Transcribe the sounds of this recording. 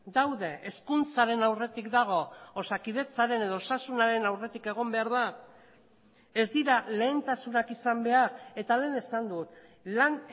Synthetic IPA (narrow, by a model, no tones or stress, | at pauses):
d̪awðe̞ʔeskunt͡saɾe̞nawre̞t̪ikd̪aɣ̞o̞osakið̞e̞t͡saɾe̞ne̞ð̞o̞osasunaɾe̞nawre̞t̪ike̞ɣ̞o̞mbe̞aɾð̞a | e̞zd̪iɾale̞ːnt̪asunakisambe̞aɾe̞t̪ale̞ːne̞sand̪ut̪ | lan